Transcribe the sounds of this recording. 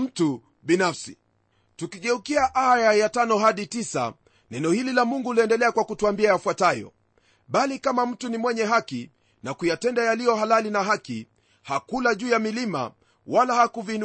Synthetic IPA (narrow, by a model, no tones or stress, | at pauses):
m̩tu | ɓinafsi | tukiɠɛukiaʔajajatanɔɦaɗitisa̰ | nɛnɔhililamuŋɡuliɛndɛlɛakwakutuambiajafwatajɔ̰ | ɓalikamam̩tunimwɛɲɛɦaki | nakujatɛndajalijɔɦalalinaɦaki | hakulaʄuːjamilima̰ | walahakuvin